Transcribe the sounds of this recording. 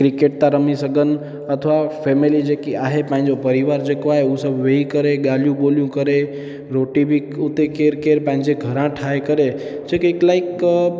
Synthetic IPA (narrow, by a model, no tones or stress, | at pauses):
kɾɪkeːʈ̚t̪ãɾəmisəɡən̆ | ɐt̪ʰʋafʰeːmilid͡ʒeːkiaːɦepãːɦɪ̃ɲd͡ʒopɐɾiʋaːɾd͡ʒeːkoaːɦeusəbʱʋeikəɾeɠalijũɓoːljũkəɾe | ɾoːʈibʱiʊt̪ekeːɾkeːɾpãɦɪ̃ɲd͡ʑeɡʱəɾãʈʰaːekəɾe | d͡ʒekɪklaːɪik